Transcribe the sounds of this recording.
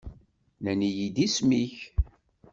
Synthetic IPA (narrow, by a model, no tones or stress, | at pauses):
lænijid̪ismiç